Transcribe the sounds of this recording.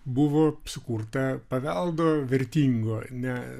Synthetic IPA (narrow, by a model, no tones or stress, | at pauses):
bʊʋoːsʊkuːrt̪ɐpɐʋʲɛlˠd̪oːʋʲɛɾʲt̪ʲiːŋɡoːnʲɛ